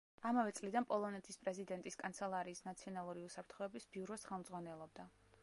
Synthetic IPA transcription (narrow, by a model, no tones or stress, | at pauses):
amavɛt̪sʼlid̪anpʼɔlˠɔnɛt̪ʰispʼɾɛzid̪ɛnt̪ʼiskʼant̪sʰɛlˠaɾiːsnat̪sʰiɔnalˠuɾiusapʰɾt̪ʰχɔɛbisbiuɾɔsχɛlˠmdzʁwanɛlˠɔb̚d̪a